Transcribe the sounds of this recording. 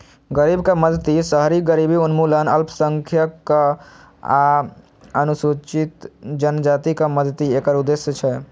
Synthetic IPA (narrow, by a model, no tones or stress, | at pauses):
ɡəɾiːbkaməd̪ʱt̪isəɦɾiɡəɾibiunmulənəlpʰsəŋkʰjəkː | a | ənusut͡ʃit̪d͡ʒənd͡ʒat̪ikaməd̪ʱt̪ieːkəɾud̪esjət͡ʃʰɛ